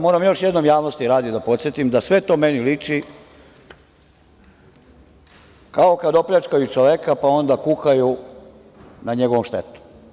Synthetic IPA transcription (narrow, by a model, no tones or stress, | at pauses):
mo̞ːɾamjo̞ʃjed̪nomjaːʋno̞st̪iɾaːd̪id̪apo̞t̪sjet̪imd̪asʋe̞t̪o̞me̞nilit͡ʂi | kao̞kad̪o̞pʎat͡ʃkajut͡ʃoʋekapao̞nd̪akuxaju | naɲe̞ɡoʋomʃt̪et̪u̥